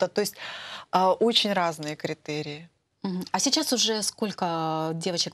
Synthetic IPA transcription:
t̪ət̪o̞ɪsʲt̚ʲəʔo̞t͡ɕɪnʲɾaznɨjəkɾʲɪt̪ɛɾʲɪɪ | m̩ɦm̩ɐsʲɪt͡ɕasʊʐɛsko̞lʲkədʲe̞vət͡ɕɪk

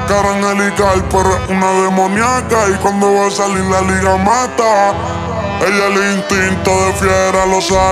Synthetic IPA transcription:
kaɾaŋeliɣalpoɾunaðemonjakaikwand̪oβasaliɾlaliɣamat̪a | eʎaleint̪int̪oðefjeɾalosa

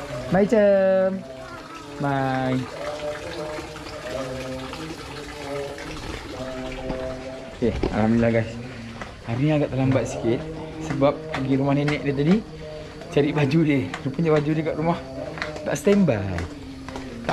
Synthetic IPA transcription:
mait͡ʃə | maj | kea̰amilaɡas | aɾniaɡaʔt̪alambat̪si̥kɪt̪̚ | səbap̚pəɡiɾumahnenɛʔ̚det̪̬adi | t͡ʃaɾiʔbad͡ʒudeɾupuɲd͡ʒaʔbad͡ʒudekaʔɾumah | t̪a̰ʔsə̥t̪ambaj | t̪a

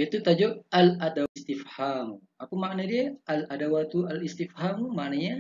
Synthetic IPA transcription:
jait̪ut̪ad͡ʒoʔalʔadast̪ifham | apamaʔnadiaʔaladawat̪ualist̪ifhammaʔnaɲa

